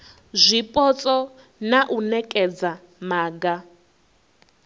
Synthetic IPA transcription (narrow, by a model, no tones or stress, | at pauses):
zʷipʼɔt͡sʼɔ | naʔunɛkʼɛd͡za | maːɡa